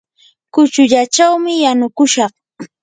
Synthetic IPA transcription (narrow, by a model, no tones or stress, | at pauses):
kʊt͡ʃʊʎat͡ʃawmɪjanʊkʊʃɑχ